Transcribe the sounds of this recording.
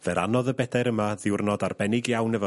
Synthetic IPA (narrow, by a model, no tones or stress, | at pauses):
vɛɾa̰nɔðəbɛdajɾəmaðɪwrnɔdarbɛnɪɡjawnɛvɔ